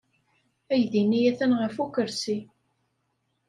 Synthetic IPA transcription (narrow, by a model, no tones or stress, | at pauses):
æjðinːijæθænʁəfukəɾsi